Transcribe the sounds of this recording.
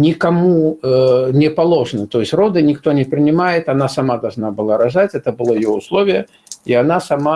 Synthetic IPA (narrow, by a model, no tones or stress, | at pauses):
nʲikamu | nʲɛpalˠɔʐnɨt̪ɔjɪsʲrɔd̪ɨnʲikt̪ɔnʲɛpɾʲɨnʲɪmajɛt̪anasamad̪alˠʐnabɨlˠaɾaʐat͡sʲɛt̪əbɨlˠɔjjɔuslˠɔvʲɪjə | ianasama